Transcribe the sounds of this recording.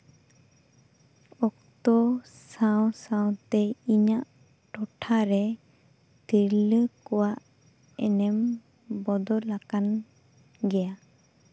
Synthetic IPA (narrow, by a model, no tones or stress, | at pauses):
ɔk̚t̪ɔsawsãw̃t̪ɛiɲaʔ | ʈɔʈʰaɾɛ | t̪iɾləkɔwaʔ | ɛ̰nɛm | bɔd̪ɔlakan | ɡɛja